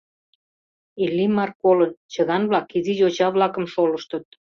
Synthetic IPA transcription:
ilːimɑrkolənt͡ɕəɣɑnβlɑkiziʑot͡ɕɑβlɑkə̆mʃoləʃt̪ət̪̚

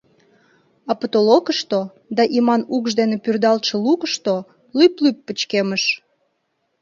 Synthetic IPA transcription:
ɑpət̪olokəʃt̪o | d̪ɑʔimɑnukʒd̪enepyrd̪ɑlʃə̆lukəʃt̪o | lyplypːət͡ɕkeməʃ

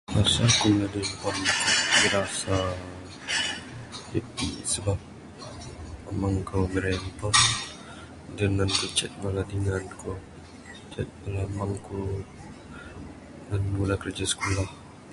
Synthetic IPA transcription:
masakumladimpɔnbəɾasa | tipḭsəbap̚ | maŋkoɡəɾɛmpɔn | dənankot͡ʃɛt̪̚maladiŋanko | t͡ʃɛt̪̚malamaŋko | nanmulakərd͡ʒasə̥kulah

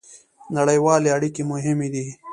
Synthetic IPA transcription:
nɐɽəjwaːleɐɽikemʊɦɪmid̪i

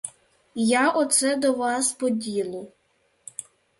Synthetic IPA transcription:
jaʔɔt̪sɛd̪ɔʋɑspɔdʲilˠʊ

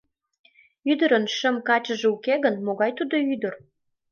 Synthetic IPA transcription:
yd̪ə̆ɾənʃə̆mkɑt͡ɕəʒeukeɣənmoɣɑjt̪ud̪oyd̪ə̆r

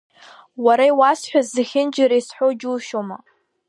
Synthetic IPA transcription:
waɾaiwasħʷᶣazːɨxʲɪnd͡ʒɪɾisħʷod͡ʒuːʃoma

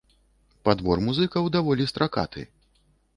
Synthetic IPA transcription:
pad̪vɔrmuzɨkɐwd̪avɔlʲist̪ɾaka̰t̪ɨ̰

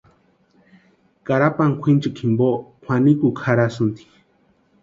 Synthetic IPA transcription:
kaɾapaŋkʷʰint͡ʃɨkʰimbokʰʷwanikukʰaɾasunt̪i̥

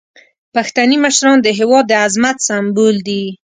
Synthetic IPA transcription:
paxt̪animəʃɾɑnd̪əɦɪwɑd̪ːəazmat̪sambuld̪i

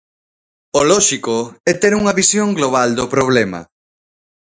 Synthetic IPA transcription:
olɔʃikoɛt̪ɛɾuŋɐβisjoŋɡloβ̞ald̪opɾoβ̞lɛmɐ̰

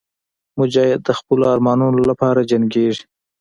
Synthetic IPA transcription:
mʊd͡ʒɑhɪd̪̚ːəxpəloɑɾmɑnunolapɑɾad͡ʒaŋɡeʐi̥

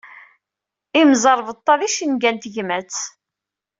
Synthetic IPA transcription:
imzˤəɾˤvət̪ˤːɑðiʃənɡænt̪ʝmæt͡sː

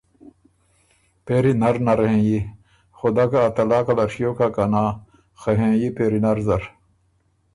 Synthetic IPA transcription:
peɾinɐɾnɐɾɦẽji | xod̪akaːt̪ɐlaːkɐlɐɾʂijoːkakɐna | xeɦẽjipeːɾinɐɾzɐɾ

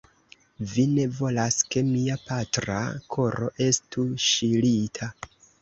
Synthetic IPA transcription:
vine̞vo̞laske̞miapatɾa̰kʰo̞ɾo̞̰ʔe̞stuʃilitʰa

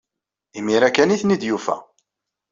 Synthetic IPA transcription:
imiɾækːæniθnid̪jufæ̰

